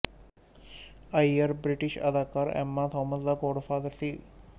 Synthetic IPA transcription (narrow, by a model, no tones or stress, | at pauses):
ɐjɐɾbɾiʈiʃɐ̰d̪aːkaːɾɛ̰mːat̪ʰɔːməsd̪aɡoːɽfaːd̪əɾsi